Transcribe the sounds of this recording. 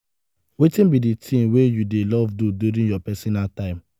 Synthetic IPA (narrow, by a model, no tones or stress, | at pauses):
wetĩnbiditʰĩnwejudelɔvduduɾĩjɔpɛsɔnaltãɪ̃m